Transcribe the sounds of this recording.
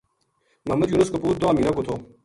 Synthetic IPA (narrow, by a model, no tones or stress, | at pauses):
mɐɦmɐd̪juːnɐskɐpuːɾ̚d̪oaːmiːnɐkot̪ʰoː